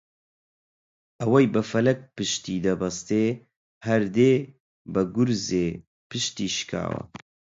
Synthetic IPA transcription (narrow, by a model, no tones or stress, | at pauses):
ʔɐwɛjbɨfɐlɛk̚pɨʃt̪iːd̪ɐbɐst̪eː | hɐɾd̪eː | bɨɡʊɾzeː | pʰɨʃt̪iːʃɨ̥kʰa̰ːwɐ̰